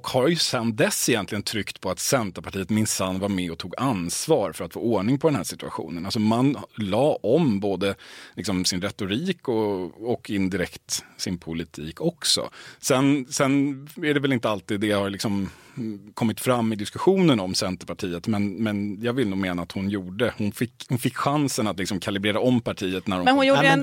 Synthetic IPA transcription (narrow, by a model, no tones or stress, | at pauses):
ɔkhaɾjɵsɛnd̪ɛsɛjɛnt̪lɪɡənt̪ʰɾʏkt̪pʰɔat̪sɛnt̪əpʰaʈʰiːət̪mɪnsanːvaɾmɛɔt̪ʰuːɡansvɑːɾfœɾat̪fo̰ːɔːɳɪŋpʰɔd̪ɛnhæːʂɪt̪ɵa̰ɧṵːnənals̬ɔmanlɑːɔmboːd̪əlɪksɔmsɪnɾɛt̪ʊɾiːkɔɔkɪnd̪ɪɾɛkt̪sɪnpʰʊlɪt̪ʰiːkʰɔksɔ̰sɛnsɛnæɖɛvɛlɪnt̪əalt̪iːd̪ːɛhaɾlɪksɔm | kʰɔmːɪt̪fɾamːɪd̪ɪskɵɧuːnənɔmsɛnt̪əpaʈʰiːət̪mɛnmɛnjɑːɡvɪlnuːɡmeːnaːt̪hʊnjuːɖəhʊnfɪkhʊnfɪkːɧansənat̪lɪksɔmkʰalɪbɾeːɾaɔmːpʰaʈʰiːət̪næɾɔmɛnhʊnjuː